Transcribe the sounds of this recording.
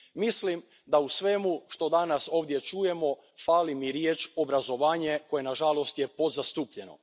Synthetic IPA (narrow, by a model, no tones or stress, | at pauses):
mislim | d̪ausʋe̞muʃt̪o̞d̪anaso̞ːʋd̪jet͡ʃuje̞mo̞ | faːlimiɾjeːt͡ʃo̞bɾazo̞ʋaːɲe̞ko̞jenaʒalo̞st̪je̞po̞d̪zast̪uːpʎe̞no̞̰